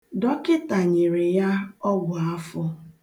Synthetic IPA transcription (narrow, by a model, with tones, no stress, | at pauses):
dɔ˦kɪ˦ta˨ɲe˨ɾe˨ja˦ɔ˦ɡʊ˨a˦fʊ˦